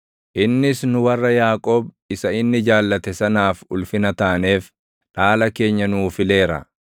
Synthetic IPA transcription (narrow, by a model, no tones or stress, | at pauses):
ʔɪnːɪsnʊwɐrːɐjaːkʼo̞ːb | ɪsɐɪnːɪd͡ʒaːlːɐt̪ɛsɐnaːfʊlfɪnɐt̪aːne̞ːf | ᶑaːlɐke̞ːɲːɐnuːfɪle̞ːɾɐ̰